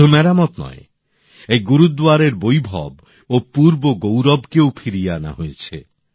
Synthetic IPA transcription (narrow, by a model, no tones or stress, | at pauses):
umɛɾamɔt̪nɔ̰e | ejɡuɾud̪waɾeɾbojbʱɔ̰b | opuɾboɡowɾɔbkewpʰiɾijana̰ɦojet͡ʃʰḛ